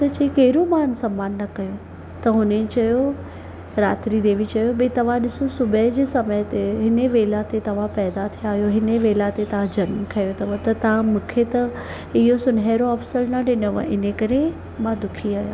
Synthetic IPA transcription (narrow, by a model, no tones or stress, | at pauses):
t̪ɐt͡ɕekeːɾomaːnsɐmːaːnːɐkɐjõ | t̪ɐɦʊnẽnt͡ɕɐjo | ɾaːt̪ɾid̪eːʋit͡ɕɐjobet̪ɐʋ̤ãɗɪsosʊbʱəd͡ʑeːsɐməjt̪eɦɪneʋeːlat̪et̪ɐʋ̤ãpɛːd̪at̪ʰiaːɦjoɦɪneʋeːlat̪et̪ɐʋãd͡ʑɐnmkʰɐjot̪ɐʋot̪ɐt̪ɐãmʊ̃ːkʰet̪ɐ | ɪɦosʊnɦeːɾoɐfsəɾnaɖɪnoʋa̰ɪnekɐɾe | mãd̪ʊkʰiaːja̰ː